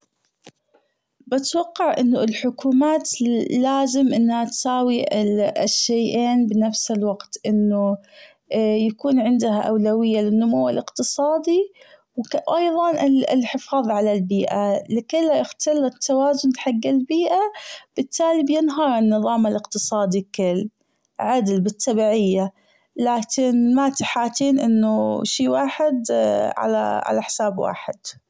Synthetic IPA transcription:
bat̪wɑqːɑʕʔɪnːʊɪlħʊkuːmaːt̪laːzɪmʔɪnːhat̪saːwiɪʃːajʔeːnbnafsɪlwaɡt̪ʔɪnːʊ | jakuːnʕɪnd̪ahaʔawlawɪjːalɪnːʊmuwːalʔɪqt̪ɨsˤɑːd̪i | wʔɑjðˤɑnɪɪ̰lħɪfɑːðˤʕalalbiːʔalɪkɪlːajʔɪxt̪ʰalːat̪ːawaːzʊnlħaɡːɪlbiːʔab̥ɪt̪ʰːaːlibjɪnɦɑɾˤɪnːɨðˤɑːmalɪqt̪ɨsˤɑːd̪ikʊlː | ʕad̪lbɪt̪ʰːɑbiːʕɪjːa | laːkɪnmat̪aħaːt̪iːnʔɪnːʊʃiːwaːħɪd̪ʕa̰la̰ʕa̰laħɪ̥saːbwa̰ːħɪd̪̥

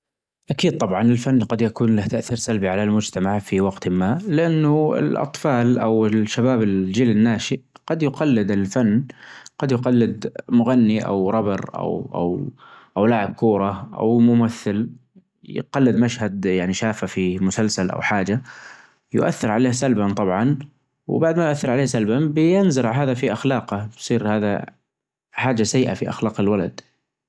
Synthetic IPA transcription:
ʔakiːd̪̚t̪ˤɑbʕɑnɪlfanːqɑd̪jakuːnlaht̪aʔθiːɾsalbiʕalalmʊd͡ʒt̪amaʕfiwɑɡt̪maːʔlɪʔanːʊɪ̰lʔɑ̰t̪ˤfɑːlʔa̰wɪʃːabaːbɪld͡ʒiːlɪnːaːʃiqɑd̪jʊqɑlːɪd̪ɪlfanːɡ̥ɑd̪jʊqɑlːɪd̪mʊɣanːiʔa̰wɾˤɑbɪɾʔa̰wʔa̰wʔawlaːʕɪb̚kuːɾˤɑʔa̰wmʊmaθːɪl | j̰qɑlːɪd̪maʃhad̪jaʕniʃaːfafimʊsalsalʔa̰wħaːd͡ʒa | jʊ̰ʔa̰θːɪɾʕaleːhsalbant̪ˤɑbʕɑn | w̰baʕd̪majʊʔaθːɪɾˤʕaleːhsalbabɪjɪnzɪɾʕɦaːðafiʔaxlɑːqabsˤiːɾhaːða̰ | ħaːd͡ʒasajːʔa̰fiʔa̰xlaːqɪlwala̰d̪̥

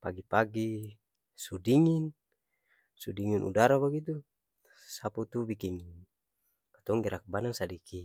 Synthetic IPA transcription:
paɡipaɡi | sudiŋin | sudiŋinʔṵdaɾabaɡit̪̬u | saput̪ubikiŋ | kat̪ɔŋɡɛɾak̚banaŋsadikʰi

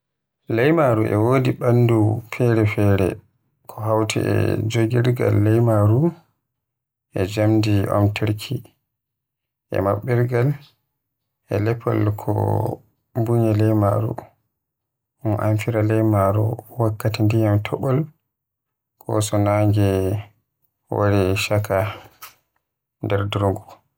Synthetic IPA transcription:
lɛjmaɾuʔɛ̰woːdiɓanːdufɛɾɛfɛɾɛ̰ | kʰɔɦawtʰɛ̰ɛ̰d͡ʒoɡiɾɡa̰lːɛjmaɾu | ʔɛd͡ʒamdiɔ̰mtʰɛɾkʰi | ʔɛ̰maɓːiɾɡal | ʔɛlɛpʰːɔ̰lkʰɔ̰ | buɲɛlɛjma̰ɾṵ | ʔɔmʔa̰mfiɾalɛjmaɾṵwakːatindijamtʰɔɓɔl | kʰɔ̰sɔnaŋɡɛ | wa̰ɾiʃakʰa | ndɛɾdɾoŋɡu

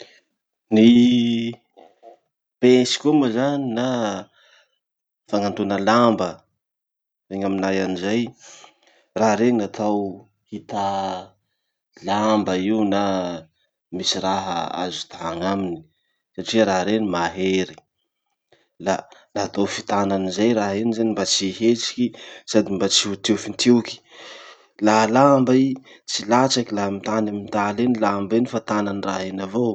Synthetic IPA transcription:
ni | pesi̥kʲumazanina | faŋant̪unəlambə | veŋaminajanizaj | raɾeninat̪ʰaw | hit̪a | lambəiuna | misiɾaɦəa̰zu̥t̪aaŋamini̥i̥ | saʈ͡ʂiaɾaɦɾenimaɦeɾi̥ | lanat̪ofit̪ananizajɾaɦenizanimbat͡siɦet͡ʃi̥kisad̪imbat͡siut̪iwfint̪ʰiwki̥ | laɦlambai | t͡silat͡ʃakilaɦmit̪anamit̪alenilambenifat̪ananiraenavo

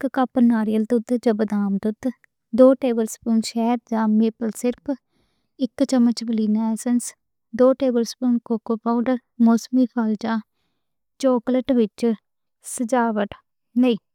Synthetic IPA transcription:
ɪkkapənaːɾijəlt̪ʊt̪d͡ʒəbd̪aːmt̪ʊt̪ | d̪oːʈeːbəlspuːnʃɛːɾd͡ʒãːmeːpəlsɪɾpʰ | ɪkːt͡ʃəmət͡ʃbəliːnaːɛːsəns | d̪oːʈeːbəlspuːnkoːkoːpaːʊɳɖəɾ | moːsmiːpʰaːld͡ʒãː | t͡ʃoːkləʈʋɪt͡ʃ | səd͡ʒaːʋəʈ | neiː

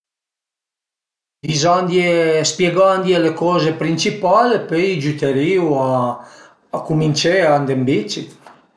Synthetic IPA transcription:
vizand̪jespjeɡand̪jelekɔːzepɾint͡ʃipaːlepejd͡ʒut̪eɾiːuaː | kumint͡ʃeand̪embit͡ʃi

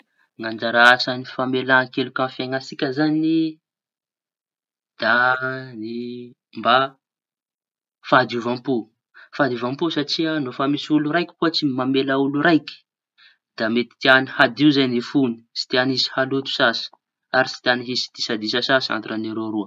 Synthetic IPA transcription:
ŋand͡ʒaɾaasanifamelaŋkelukʲãnfjaŋasikʲəzanii | d̪̥ani | mba | fad̪iuvampu | fad̪iuvampusaʈ͡ʂianofamisuluɾajkʲi̥kuət͡simamelauluɾajki̥ | d̪̥amet̪i̥t̪ianihad̪iuzajnifuni̥si̥t̪ianizi̥halut̪u̥sasə̥ | aɾisi̥t̪ianiɦisi̥d̪̥isad̪isasasa̰nt̪uɾaneɾoɾuə

